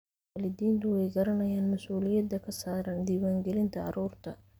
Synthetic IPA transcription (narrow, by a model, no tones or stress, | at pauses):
lɪd̪iːnt̪ʊwɛjɡɐɾɐnɐjaːnmɐsuːlɪjɐd̪ɐkʰɐsaːɾɐnd̪iːwaːŋɡɛlɪnt̪ʰɐɐ̰ɾuːrt̪ʰɐ